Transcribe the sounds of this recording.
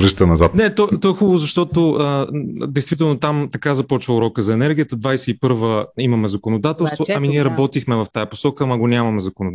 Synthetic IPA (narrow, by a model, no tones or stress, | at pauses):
vɾəʃt̪ənɐzat̪nɛt̪ɔt̪ɔɛxubəvʊzɐʃt̪ɔt̪oəd̪ɛjst̪vit̪ɛlˠnot̪amt̪ɐkazɐpɔt͡ʃvəʊɾɔkəzɐɛnɛɾɡʲijət̪əd̪vajsɛipɤɾvəimɐmɛzɐkonod̪at̪ɛlˠsvoɐminiɛɾɐbɔt̪ixmɛvɐft̪ajɐpo̥sɔkəːmɐɡonʲamɐmɛzɐkono